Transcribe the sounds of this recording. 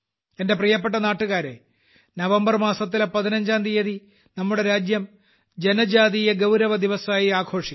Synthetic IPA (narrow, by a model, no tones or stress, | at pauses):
ende̞prijɐp̬ːeʈ̬ːɐnaːʈːuɣaːɾe̞̰ | nɐʋɐmbɐrmaːsɐt̪̬ːilpɐðinɐɲd͡ʑaːnd̪ijɐði | nɐmːuɽe̞ɾaːd͡ʑjɐm | d͡ʑe̞nɐd͡ʑaːðijɐɡɐwɾɐʋɐd̪iʋɐsɐaːjiaːɡʰo̞ːʂi̥